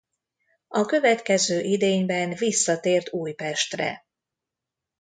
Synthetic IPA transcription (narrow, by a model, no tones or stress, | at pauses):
ɒkø̞vɛt̪kɛzøːʔid̪eːɲbɛnvisːɒt̪eːrt̪uːjpɛʃt̪rɛ̰